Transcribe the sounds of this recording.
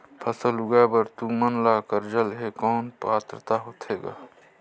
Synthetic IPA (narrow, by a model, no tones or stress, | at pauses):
pʰəsəlʊɡabəɾt̪umənlakəɾd͡ʒəlɦekɔːnpaːt̪ɾət̪aɦoːt̪ʰeːɡa̰ː